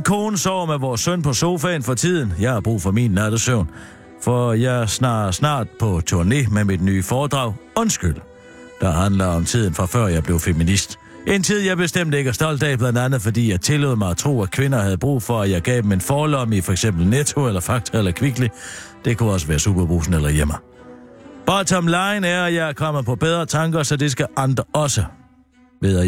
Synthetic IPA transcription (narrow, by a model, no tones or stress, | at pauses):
nkʰoːnəsɒːmeʋɒːsːœn̰pʰɒ̽so̝ːfɛɪnfɒ̽t͡sʰið̞̰ˠən̩jɑ̈ɪhɑ̈b̥ʁṵːfɒ̽mḭnlæd̥əsøʊn | fɒjɑɪæsnɑːsnɑ̰̈ːd̥̚pʰɒ̽t͡sʰo̝ɐne̝̰ːmemid̥ny̰ːfɒːd̥ʁɑ̈ʊɒ̽nsɡ̥yl̰ | d̥ɑ̈ɦænlɐɒ̽mt͡sʰið̰ˠn̩fʁɑ̈fɶɐ̰jɑ̈ɪb̥le̝ʊfeminisd̥ | ʔe̝nt͡sʰið̞̰ˠjɑ̈ɪb̥e̝sd̥em̰d̥əe̝ɡ̥æsd̥ɒ̽l̰d̥ɛb̥lænd̥ænð̩ˠfɒ̽d̥ḭːjɑ̈ɪt͡sʰe̝lø̰ðˠmɑ̈ɪɒt͡sʰʁo̝̰ːækʰʋe̝nɐhæð̞̩ˠəb̥ʁṵːfɒ̽æjɑ̈ɪɡ̥ɛ̰ːb̥eme̝nfɒːlɒ̽mifɒ̽eɡ̥sem̰b̥l̩net͡sʰo̝elɐfɑ̈ɡ̥̚t͡sʰɐelɐkʰʋiɡ̥li | d̥e̝kʰuɒ̽səʋæːɐsub̥ɐb̥ʁṵːsn̩elɐjem̰ɐ | b̥ɑ̈ːt͡sʰɒmlɑ̈ɪnæɐjɑ̈ɪɐkʰɒ̽m̰əð̩pʰɒ̽b̥eð̞ˠʁɐt͡sʰɑ̈ŋɡ̥ɐsɒ̽d̥e̝s̬ɡ̥æʔɑnd̥ʁɐɒ̽sə | ʋeðˠɐ